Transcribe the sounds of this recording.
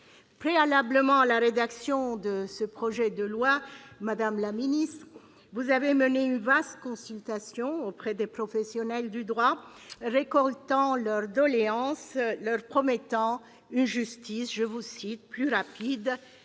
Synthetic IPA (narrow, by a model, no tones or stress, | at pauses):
pχealabləmɑ̃alaʁed̪aksjɔ̃d̪əsəpχɔʒɛd̪əlwamad̪amlaminist̪χ | vuzaveməneynvast̪əkɔ̃sylt̪asjɔ̃opχɛd̪epχɔfɛsjɔnɛld̪yd̪ʁwa | ʁekɔlt̪ɑ̃lœʁd̪ɔleɑ̃slœʁpχɔmɛt̪ɑ̃ | ynʒyst̪isʒəvusit̪̚plyʁapid̪